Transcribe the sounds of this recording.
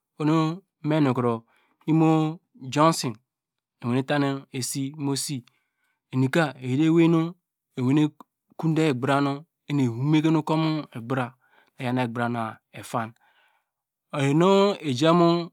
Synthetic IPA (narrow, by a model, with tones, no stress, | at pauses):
o˨no˦ | me˦no˨kɾo˨ | i˦mo˦ | d͡ʒo˦nsi˨n | e˨we˨ne˦ta˦ne˦e˨si˦mo˦si˦ | e˨ni˨ka˦e˨jde˦we˦no˦ | e˨we˨˦ne˦ | ku˦de˦e˨ɡ͡bɾa˦no˦ | e˦ne˨hu˦me˦ke˦no˦ko˦mo˦e˨ɡ͡bɾa˨ | e˨ja˨ne˨ɡ͡bɾa˨na˨e˨fa˦n | o˨je˨no˦e˨d͡ʒa˦mo˦